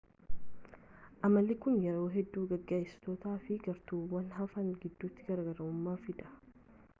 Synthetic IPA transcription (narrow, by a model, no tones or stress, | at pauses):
ʔɐmːɐlːɪkʊnjɛɾo̞ːɦɛd̪ːuːɡɐɡːeːjst̪oːt̪aːfɪɡɐɾt̪uːwɐnɦɐfɐnɡɪd̪ːuːt̪ːɪɡɐɾɐɡɐɾɐʊmːaːfɪᶑ̪ɐ̥